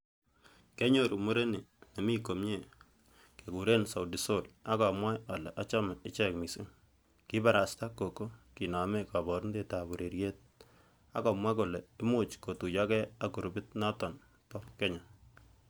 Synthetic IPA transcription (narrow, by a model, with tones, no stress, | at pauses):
ke˦ɲo˦˨ɾu˨mu˦ɾe˦ni˨ne˨mi˦ko˨mɲe˦˨ | ke˨ku˨ɾe˦nsa˨wdi˨so˦la˦ka˨mwa˦ja˨lɛ̰˨ʔa˦t͡ʃa˦ma˨ɪ˦t͡ʃɛ˦kmi˨sɪ˦ŋ | ki˦ba˨ɾa˨sta˦kːo˨ko˦ki˨na˨me˦ka˨bɔ˨ɾnde˦˨ta˨bu˨ɾe˨ɾje˦t̚ | a̰˨˦ka˨mwa˦ko˨lɛ˨ɪ˦mu˦˨t͡ʃko˨tu˨ja˦kɛ˦a˨ku˨ɾʊbɪ˦tna˦tɔ˨n | tɔ˦kɛ˦ɲa˨